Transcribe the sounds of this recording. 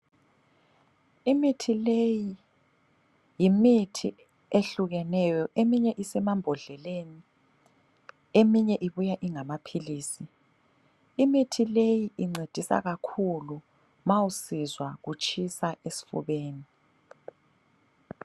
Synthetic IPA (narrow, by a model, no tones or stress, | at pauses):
imitʰileji | jimitʰi | eɬuɣɛnɛjɔʔemiɲɛʔisɛmambʱɔɮɛleni | emiɲɛʔiβujaʔiŋamapʰiliːsi | imitʰilejiʔiŋ͡ǀʱed̥ʱisa̰ɣakʰulu | mawusizwaɣut͡ʃʼʰisaesi̥fṵβeːni